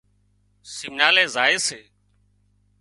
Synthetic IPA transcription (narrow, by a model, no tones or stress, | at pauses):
sɪmnaːlẽːzaːeːseː